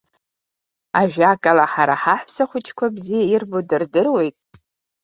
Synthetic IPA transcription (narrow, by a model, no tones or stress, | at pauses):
aʒᶣakʼalaħaɾaħaħʷsaχʷʊt͡ʃʰʼkʷʰabzijairbodɨrdɨrwe̞jtʼ